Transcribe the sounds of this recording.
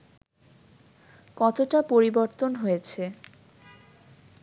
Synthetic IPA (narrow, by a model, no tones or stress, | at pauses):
kɔt̪oʈapoɾiboɾt̪onɦojet͡ɕʰe